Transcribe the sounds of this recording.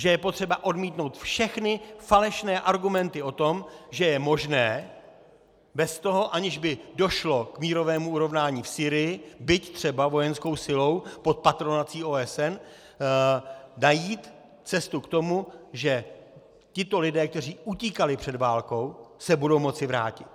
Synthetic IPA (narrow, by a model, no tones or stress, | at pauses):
ʒɛjɛpot̪r̝̥ɛbaʔo̞dmiːt̪no̞wt̪fʃɛxnɪfalɛʃnɛːʔaɾɡumɛnt̪ɪʔo̞t̪o̞mʒɛjɛmo̞ʒnɛː | bɛst̪o̞ɦo̞ʔaɲɪʒbɪdo̞ʃlo̞kmiːɾo̞vɛːmuuɾo̞vnaːɲiːfsiːɾɪjɪbɪct̪r̝̥ɛbavo̞jɛnsko̞wsɪlo̞wpo̞t̪̚pat̪ɾo̞nat͡siːoːɛsɛn | najiːt̪ | t͡sɛst̪ukt̪o̞muʒɛ | cɪt̪o̞lɪdɛːk̚t̪ɛr̝iːʔuc̪iːkalɪpr̝̥ɛdvaːlko̞wsɛbudo̞wmo̞t͡sɪvɾa̰ːcɪt̪